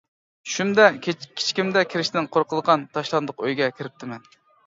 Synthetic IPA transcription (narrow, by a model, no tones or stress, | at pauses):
ʃumd̪ɛkʲʰi̥t͡ʃʰkʲimd̪ɛkʲʰiɾɪʃt̪ɪnqʰoɾqʰəlˠəʁɑnt̪ʰɑʃlˠɑnd̪ʊqøjɡʲɛkʲʰɪɾɪp̚t̪ʰɪmɛn